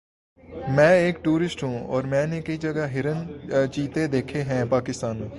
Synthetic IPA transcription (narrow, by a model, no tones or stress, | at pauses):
mɛ̃ːeːkʈuːɾɪsʈɦũːɔ̰ːɾmɛ̃ːnekəid͡ʒɐɡaɦɪɾənt͡ʃiːt̪ed̪eːkʰeɦɛ̃ːpaːkɪst̪aːnmẽː